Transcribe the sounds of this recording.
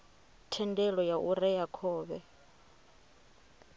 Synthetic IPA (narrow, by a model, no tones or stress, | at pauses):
tʰɛndɛlɔjaʔuɾɛjakʰɔːβɛ